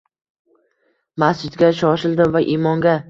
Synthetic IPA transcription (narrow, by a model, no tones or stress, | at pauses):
masd͡ʒɪd̪ɡʲaʃɒʃɪld̪ɪvaʔimɒŋɡʲa